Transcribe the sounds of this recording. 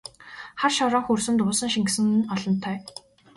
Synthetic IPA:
χarʃɔɾɔːŋxursɵ̆nt̪ʊːsə̆ŋʃiŋksɘ̆nɔɮɞ̆nt̪ʰːœː

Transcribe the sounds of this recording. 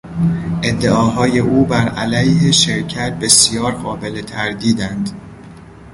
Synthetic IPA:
ʔe̞d̪ːe̞ɒːɦɒːje̞ʔuːbæɾæ̰læjhe̞ʃe̞ɾcʰæt̪̚be̞sjɒːɾɢɒːbe̞let̪ʰæɾd̪iːd̪ænd̪̥

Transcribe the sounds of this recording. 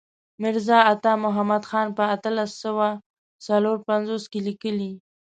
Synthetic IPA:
mɪɾzɑat̪ɑmʊɦamad̪xɑnpəat̪əlasːəwa | saloɾpanzoskelikəli

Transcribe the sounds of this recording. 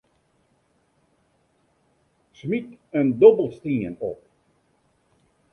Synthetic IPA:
smikəndobəlˠstiənɔp̚

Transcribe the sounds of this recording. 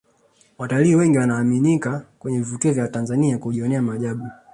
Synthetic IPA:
wataliːwɛŋɡiwanaːminikakwɛɲɛvivukiɔvjawatanzaniakuʄiɔnɛamaʄaɓu

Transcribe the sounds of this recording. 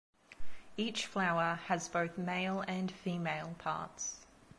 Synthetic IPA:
iˑt͡ʃflaʊəəzbəʊθmeɪlˠə̃nfiːmeɪlˠpʰɑ̰ˑts

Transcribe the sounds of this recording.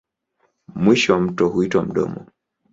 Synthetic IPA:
mwiʃɔwam̩tɔhuitwam̩ɗɔ̰mɔ

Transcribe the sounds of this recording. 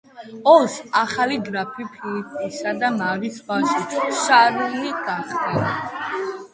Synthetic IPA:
ɔlsaχaliɡɾapʰipʰiit̪ʰisad̪amaɾisbaʃuʃʰʃaɾuniɡ̥aχt̪ɛla

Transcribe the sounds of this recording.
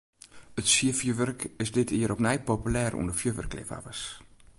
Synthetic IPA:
ətsiəfjəʋørkɪsdɪtʰiːəɾɔpnɛjpopylɛːrṵəndəfjøʋə̰rklɪ̰fa̰vəs

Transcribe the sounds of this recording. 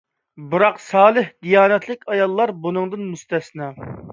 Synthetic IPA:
bɨɾɑqsɑːlˠɨhd̪ijɑːnɛt̪ʰlɪkʲɑjɑlˠːɑɾbunɨŋd̪ɨnmust̪ɛsnɑ

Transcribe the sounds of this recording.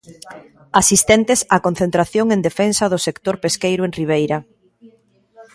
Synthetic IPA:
asist̪ɛnt̪ɪsakon̟θẽnt̪ɾaθjoŋend̪efɛnsɐðʊsekt̪oɾpeskejɾʊenriβ̞ejɾɐ

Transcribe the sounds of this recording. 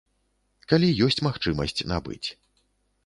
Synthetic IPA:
kalʲijɔsʲt͡sʲmaxt͡ʂɨmɐsʲt͡sʲna̰bɨ̰t͡sʲ

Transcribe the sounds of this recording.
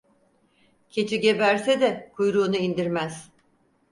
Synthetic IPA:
cʰe̞t͡ʃʰiɟe̞bæɾsɛd̪ɛkʰujɾuːnuind̪iɾmæz̥

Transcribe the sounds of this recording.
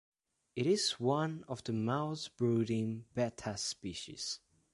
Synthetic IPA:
ɪɾɪzwʌ̃nɔvðəmaʊsbɹuɾɪ̃ŋb̥ɛtʰəspiʃḭz̥

